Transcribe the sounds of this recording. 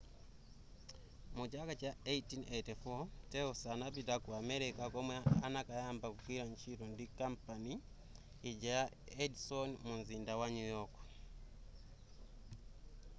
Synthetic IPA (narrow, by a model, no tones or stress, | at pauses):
mut͡ʃakat͡ʃaejtinetifɔtɛusanapitakuamɛɾikakɔmwɛanakajambakukwiɾaɲt͡ʃiɾɔndikampaniː | d͡ʒaja | ɛdsɔnmunzindawaɲujɔk